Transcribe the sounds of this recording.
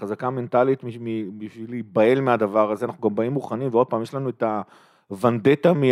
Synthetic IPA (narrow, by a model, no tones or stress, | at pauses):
χazakame̞ntalit̪mimibiʃvilibae̞lmeadavaʁazeanaχnuɡambaimːuχanimveo̞d̚paːmjeʃlanueta | vand̪et̪ami